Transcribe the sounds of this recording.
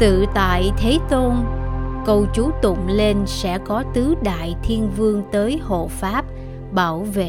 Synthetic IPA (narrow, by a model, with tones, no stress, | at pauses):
t̪ɨ̰˧˨t̪a̰ː˧˨jt̪ʰe˨˦t̪o˧nkə˧wt͡ɕu˨˦t̪ə̰˧˨ŋ͡mle˧nsɛ̰˧˥kɔ˨˦t̪ɨ˨˦ɗa̰ː˧˨jt̪ʰi˧ənvɨ˧əŋt̪əː˨˦jho̰˧˨faː˦˥p̚ | ɓaː˧˩wvḛ˧˨